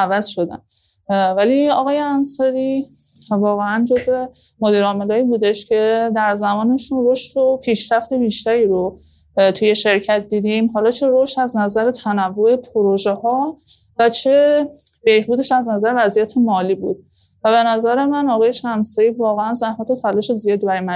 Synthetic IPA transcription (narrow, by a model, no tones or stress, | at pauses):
ævæz̥ʃo̞d̪æ̰n | væliɒɣɒːje̞ænsɒɾi | vɒːɣeænd͡ʒo̞zve̞ | mod̪iɾɒːmelɒːiːbuːd̪e̞ʃcʰe̞d̪æɾzæmɒːne̞ʃunroʃopʰiːʃɾæft̪e̞biːʃt̪æɾiːɾo | t̪ʰuje̞ʃe̞ɾcʰæt̪̚ʰd̪iːd̪imɦɒːlɒːt͡ʃʰe̞ɾoʃtæznæzæɾe̞t̪ʰænævːoe̞pʰoɾoʒe̞hɒː | væt͡ʃʰe̞ | b̥e̞hbuːd̪e̞ʃæznæzæɾevæzijæt̪ʰe̞mɒːliːbuːd̪̥̚ | væβe̞næzæɾe̞mænɒɣɒːje̞ʃæmsɒɾiːvɒːɣeænzæhmæt̪ʰe̞fʰælɒːʃezijɒːd̪ibæɾjmæ